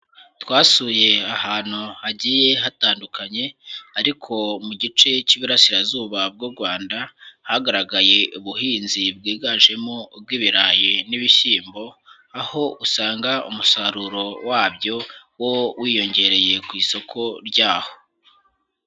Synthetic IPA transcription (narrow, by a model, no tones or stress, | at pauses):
twaːsuje̞ahaːn̥huhaɟije̞ɦataːndukaɲe̞aɾikʰo̞muɟit͡ʃe̞ciːβuɾasiɾazuːβab̚ɡuɾɡwaːndahaɡaɾaɡaje̞ʔuβuhiːnzib̚ɡiːɡaʒe̞mo̞b̚ɡiːβiɾaːjiniβiçiːmbo̞ | aho̞usaːŋɡaṵmusaɾuɾo̞waːbjo̞wowiːjo̞ɲɟe̞ɾe̞je̞kwiːso̞kʰo̞ɾɟaːho̞̥